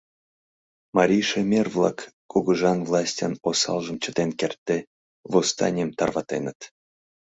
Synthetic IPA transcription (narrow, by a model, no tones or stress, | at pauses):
mɑɾʲijʃemʲervlˠɑ̰kː | uɣuʒɑnvlˠɑsʲtʲɑnosɑ̰lˠʒə̆mt͡ɕət̪enkert̪ːe | vost̪ɑ̰nʲiəmt̪ɑrvɑt̪enət̪